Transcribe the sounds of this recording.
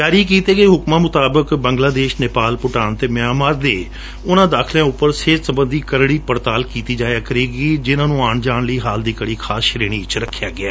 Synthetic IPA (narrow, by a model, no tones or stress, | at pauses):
d͡ʒaːɾiːkiːt̪eːɡeːɦʊkmãːmʊt̪aːbəkbəŋɡlaːd̪eːʃneːpaːlpʊʈaːnt̪eːmɪjaːmaːɾd̪eː | ʊnãːd̪aːkʰljãːʊpːəɾseːtsəbə̃nd̪iːkəɾɽiːpəɾt̪aːlkiːt̪iːd͡ʒaːjaːkəɾeːɡiːd͡ʒɪnãːnũːaːɳd͡ʒaːɳ̃ləiːɦaːld̪iːkəɽiːkʰaːsʃəɾeːɽ̃iːt͡ʃɾəkʰːjaːɡɪaː